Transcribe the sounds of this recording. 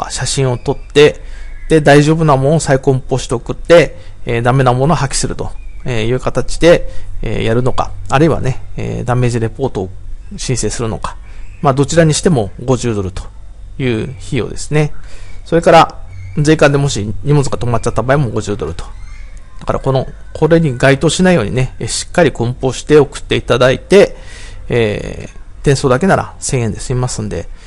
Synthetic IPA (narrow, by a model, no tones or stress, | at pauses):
ka̰ɕaɕĩɰ̃o̞t̪o̞t̪ːe̞d̪̥e̞d̪aiʑo̞ːbɯ̟namonosaikõ̞mpo̞ɕi̥t̪eokɯ̟t̪ːe̞ː | d̪ame̞namo̞no̞hakʲi̥sɨɾɯ̟t̪o̞̰ejɯ̟ːkat̪at͡ɕi̥d̪e̞̰ːjaɾɯ̟no̞ka̰ːɾɯ̟iβa̰ne̞ḛːd̪ame̞ʑiɾe̞po̞ːt̪o̞ːɕĩɰ̃se̞ːsɨɾɯ̟no̞̰kḁ | maːd̪o̞t͡ɕiɾaɲ̟iɕi̥t̪e̞mo̞ɡo̞ʑɨːd̪o̞ɾɯ̟t̪o̥ | jɯ̟ːçijo̞̰d̪e̞sɨne̞so̞ɾe̞kaɾad͡zeːkãnd̪e̞mo̞ɕiɲ̟imo̞t͡sɨɡat̪o̞mat͡ɕat̪ːabaemo̞ɡo̞ʑɨːd̪o̞ɾɯ̟t̪o̥ | d̪̥aka̰ɾa̰ko̞no̞ | kʰo̞ɾe̞ɲ̟iɡait̪o̞ːɕinaijo̞ːɲ̟ḭne̞ɕi̥kːaɾʲikõ̞mpo̞ːɕi̥t̪e̞o̞kɯ̟̥t̪ːe̞it̪ad̪ait̪e̞ː | t̪ẽ̞ɰ̃so̞ːd̪ake̞naɾa̰sẽ̞ɰ̃e̞nd̪e̞sɨimasɨ̃nd̪e̞̰